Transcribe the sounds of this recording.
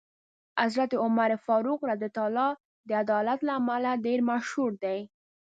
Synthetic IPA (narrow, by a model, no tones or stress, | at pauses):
azɾat̪eʊmaɾefɑɾuqɾad̪it̪ɑlɑ | d̪əad̪ɑlat̪laːmalaɖeɾmaʃhuɾd̪aj